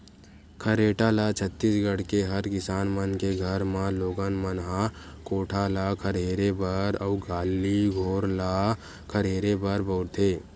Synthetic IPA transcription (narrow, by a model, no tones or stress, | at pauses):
kʰəɾeːʈalat͡ʃʰət̪ːisɡəɽkeɦəɾkɪsaːnmənkeɡʱəɾmãloːɡənmənɦãkoːʈʰalakʰəɾɦeːɾebəɾəʊɡaːlːiɡʱoːɾla | kʰəɾɦeːɾebəɾbəʊɾt̪ʰeː